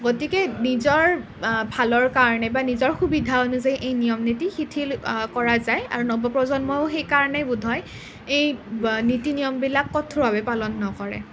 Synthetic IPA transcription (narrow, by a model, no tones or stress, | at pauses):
ɡotikɛnizɔɹ | bʱalɔɹkaɹɔnɛbanizɔɹxubidʱaɔnʊzejʔejnijɔmnitixitʰilkɔɹazaja̰ɹunɔbɔpɹɔzɔnmɔjʊxejkaɹɔnɛbudʱɔj | ejnitinijɔmbilakːɔtʰʊbabɛpalɔnːɔkɔɹɛ̰